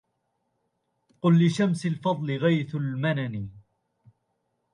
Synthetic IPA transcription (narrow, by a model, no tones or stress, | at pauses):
qʊlːɪʃamsɪlfɑðˤlɪɣajθʊlmanani